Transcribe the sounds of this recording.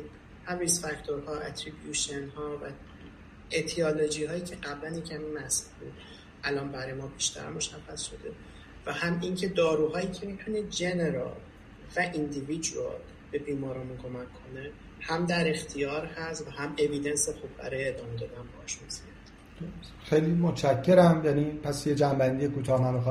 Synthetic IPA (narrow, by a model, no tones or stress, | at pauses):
hæmrisfæct̪ʰoɾhɒːʔæ̰t̪ʰɾibjuʃenhɒːvæ | et̪ʰiɒlod͡ʒiːhɒːjiːcʰe̞ɢæblænjecʰæmimæsbṵd̪̥ | ʔælɒːnbæɾɒːjemɒːbiʃt̪ʰæ̰ɾmo̞ʃæxːæsʃo̞d̪e̞ | væhæmiːŋcʰe̞d̪ɒːɾuːɦɒːjiːcʰe̞mit̪ʰune̞d͡ʒe̞ne̞ɾɒ̰l | væʔind̪ivid͡ʒɾo̰ | be̞biːmɒːɾɒːmunkʰo̞mækʰːo̞ne | hæmd̪æɾe̞xt̪ʰijɒːɾhæsvæhæme̞vid̪e̞nsexub̚bæ̰ɾɒːjeːd̪ɒːmed̪ɒːd̪ænbɒhɒʃmosjæd̪ | d̥̪oɾ | xejlimot͡ʃæcʰːe̞ɾæmjæniːpʰæsjed͡ʒæmbænd̪ijekuːt̪ʰɒːhmænmixɒ